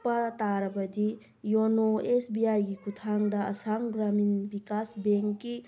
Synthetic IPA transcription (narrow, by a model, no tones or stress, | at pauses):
pɐt̪aɾɐbɐd̪i | jonoesbiajɡikʰut̪ʰaŋd̪ɐɐ̰samɡɾaminbikasbeŋkːi